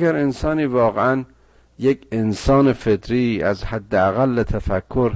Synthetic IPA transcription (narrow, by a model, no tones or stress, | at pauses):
ɡæɾensɒːniːvɒːɣeæn | jekʰensɒːnefet̪ɾiːæzhæd̪ːeæɣælːet̪ʰæfækʰːoɾ